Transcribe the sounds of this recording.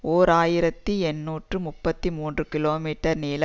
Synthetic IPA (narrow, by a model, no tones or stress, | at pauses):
oːɾaːjɪɾɐt̪ːiɛnːuːʈrɯmʊpːɐt̪ːimuːndrɯkɪloːmiːʈːɐɾniːlɐ